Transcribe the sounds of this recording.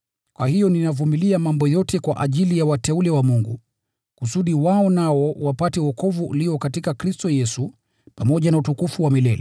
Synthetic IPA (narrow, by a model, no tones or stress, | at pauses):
kwahijɔninavumiliamambɔjɔtʰɛkwa̰ʔaʄilijawatɛulɛwamuŋɡu | kusuɗiwaɔnaɔwapatɛwɔkɔvuṵliɔkatikakɾistɔjɛsu | pamɔʄanautukufuwamilɛ̰lɛ̰